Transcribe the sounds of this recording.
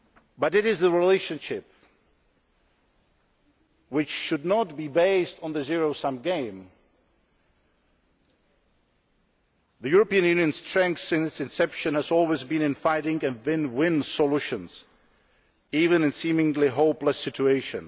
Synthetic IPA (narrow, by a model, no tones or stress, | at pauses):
bʌɾɨɾɪzðəɹɪleɪʃɨ̃nʃɪp̚ | wɪt͡ʃʃɨdⁿnət̚bibeɪstn̩ðɨzɪɹoʊsʌ̃mɡẽɪ̃m | ðɨjʊɹəpiɨ̃njʉ̃njɨ̃nstʰɹ̥ɛ̃ŋksɪ̃nsɨ̃nsɛpʃɨ̃nɨzɔlˠwizbɨ̃nɨ̃nfaɪɾɪ̃ŋɨ̃nvɪ̃nwɪ̃nsəluʃɨ̃nz̥ | ivɨ̃nɨ̃nsĩmɪ̃ŋliɦoʊpləsɪt͡ʃueɪʃɨ̃n